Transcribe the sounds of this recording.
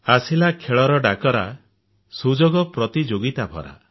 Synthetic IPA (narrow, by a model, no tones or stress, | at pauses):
asilakʰeɭɔɾɔɖakɔɾa | sud͡ʒoɡɔpɾɔt̪id͡ʒoɡit̪abʱɔ̰ɾa̰